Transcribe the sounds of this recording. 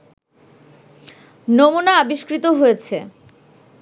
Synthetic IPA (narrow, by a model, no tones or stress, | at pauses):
nomunaabiʃkɾit̪oɦojet͡ɕʰe